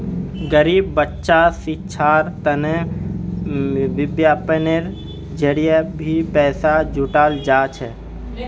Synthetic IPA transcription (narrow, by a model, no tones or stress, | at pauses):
ɡəɾiːbːətːʃasɪt͡ʃʰaːɾt̪əne | ʋɪbjaːpəneɾ | d͡ʒəɽijebʱipɛːsad͡ʒʱʊʈaːld͡ʒaːt͡ʃʰɛ